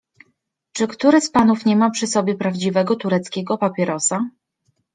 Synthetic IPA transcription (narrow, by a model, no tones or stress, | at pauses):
t͡ʂɘkt̪uɾɛspanufɲɛmapʂɘsɔbʲjɛpɾavd͡ʑivɛɡɔt̪uɾɛt̪skʲɛɡɔpapʲjɛɾɔsa